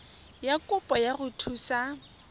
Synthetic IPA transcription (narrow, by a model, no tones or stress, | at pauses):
jakʼʊpʼɔjaɣʊtʰuːsa